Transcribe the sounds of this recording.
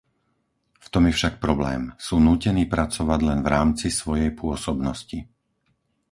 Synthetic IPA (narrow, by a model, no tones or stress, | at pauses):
ft̪ɔmjɛfʃak̚pɾɔblɛ̰ːmsuːnuːcɛniːpɾat͡sɔʋaɟlɛnvɾaːmt͡sisʋɔjɛjpʊɔsɔbnɔsci